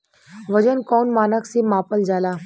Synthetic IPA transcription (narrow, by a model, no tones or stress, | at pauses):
ʋɐd͡ʒənkɔːnmaːnəksemãːpəld͡ʒaːlaː